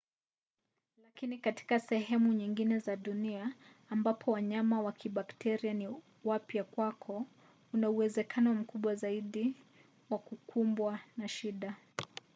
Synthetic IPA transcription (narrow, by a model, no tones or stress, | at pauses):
lakinikati̥kasɛɦɛmuɲiŋɡinɛzaɗuniaː | mbapʰɔwaɲamawakʰiɓaktʰɛɾiani | wapjakwakʰɔ | unauwɛzɛkʰanɔm̩kuɓwazaiɗi | wakukʰumbwanaʃiɗa